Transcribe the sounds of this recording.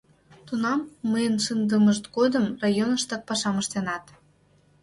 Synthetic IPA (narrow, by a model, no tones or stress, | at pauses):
t̪unɑmːəjənʃənd̪əməʃt̪ɡod̪əmrɑjonəʃt̪ɑk̚pɑʃɑməʃt̪enɑt̪